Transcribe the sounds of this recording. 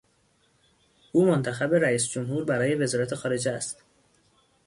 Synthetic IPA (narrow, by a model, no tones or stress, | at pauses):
ʔuːmont̪ʰæxæbeɾæiːsd͡ʒomɦuːɾbæɾɒːje̞ve̞zɒːɾæt̪ʰe̞xɒːɾe̞d͡ʒeæst̪